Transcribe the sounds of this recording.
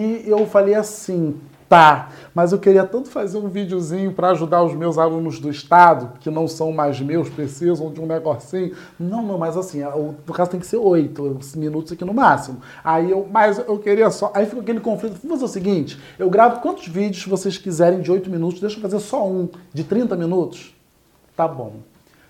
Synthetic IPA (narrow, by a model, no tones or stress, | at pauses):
iewfalejasĩ | t̪amɐzewkeɾiɐt̪ɐ̃nt̪ʊ̥fazeɾũvid͡ʒɪʊzĩɲʊpɾɐːʒud̪aɾʊzmewzalũnʊzd̪ʊɪʃt̪ad̪ʊkɪnɐ̃w̃sɐ̃w̃majzmewspɾesezʊõd͡ʒɪũneɡɔsĩɲʊ | nɐ̃w̃nɐ̃w̃mɐjzasĩʊkazʊt̪ẽj̃kɪ̥seɾojt̪ʊsminut̪ʊzakinʊmasimʊ | aiewmajzewkeɾiɐsɔʔaifikoak̬elɪkõflit̪ʊfõfazeʊsɪɡĩt͡ʃɪ̥ | ewɡɾavʊkwɐ̃nt̪ʊzvid͡ʒɪʊsɪvoseskizɛɾẽj̃d͡ʒɪojt̪ʊminut̪ʊʃd̪ejʃɐfazeɾsɔũd͡ʒɪt̪ɾĩnt̪ɐminut̪ʊ̥s | t̪abõ̰w̃